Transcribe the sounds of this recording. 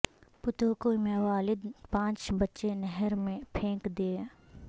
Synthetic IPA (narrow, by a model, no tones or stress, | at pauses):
pʊt̪okoɪmẽʋaːlɪd̪pãːt͡ʃbɐtːʃenɛɦəɾmẽpʰẽːkd̪eː